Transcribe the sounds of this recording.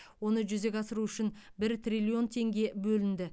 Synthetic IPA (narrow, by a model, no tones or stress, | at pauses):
wo̞nəʒʏze̞kʲɑsəɾuʏʃɪnbɪɾt̪rʲilʲio̞nt̪ʰe̞ŋɡʲe̞bɵlɪnd̪ɪ